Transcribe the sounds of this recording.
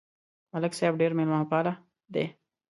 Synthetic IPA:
mɐləksaːbɖeːɾmelmanopaːla | d̪e

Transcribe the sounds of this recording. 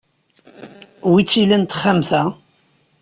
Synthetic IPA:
wit͡sːilənt̪χːamθæ

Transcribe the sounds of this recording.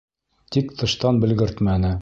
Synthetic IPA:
t̪ikt̪ʰɤ̆ʃt̪ɑnbɘ̆lɡɘ̆ɾt̪mænɘ

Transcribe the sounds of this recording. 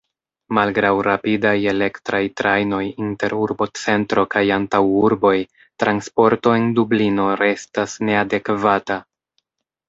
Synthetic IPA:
malɡɾawɾapidaje̞le̞ktɾajtɾajno̞jinte̞ɾuɾbo̞t͡se̞ntɾo̞kajantawuɾbo̞j | tɾanspo̞ɾto̞e̞ndublino̞ɾe̞stasne̞ade̞kvata

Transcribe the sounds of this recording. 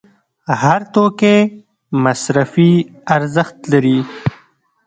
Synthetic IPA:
haɾt̪oke | masɾafiaɾzəxt̪laɾi

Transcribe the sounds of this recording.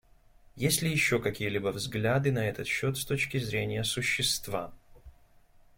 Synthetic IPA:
jesʲtʲlʲɪjɪɕːo̞kɐkʲijəlʲibəvzɡlʲad̪ɨnɐɛt̪ət̪ɕːo̞t̪st̪o̞t͡ɕkʲɪzɾʲenʲɪjəsʊɕːɪst̪va̰

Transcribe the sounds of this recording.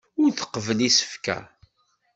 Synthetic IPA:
ʊɾθə̥qːəvəlisə̥fkæ̰

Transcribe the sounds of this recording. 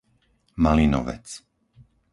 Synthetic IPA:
malinɔ̰ʋɛ̰t͡s

